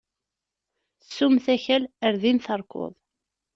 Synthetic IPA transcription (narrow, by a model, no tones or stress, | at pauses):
sːumθæçæləɾðinθəɾˤko̰ðˤ